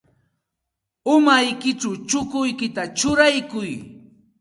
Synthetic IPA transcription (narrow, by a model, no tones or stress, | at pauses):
ʊmajkɪt͡ʃawt͡ʃʊkʊjkɪt̪at͡ʃʊɾajkʊj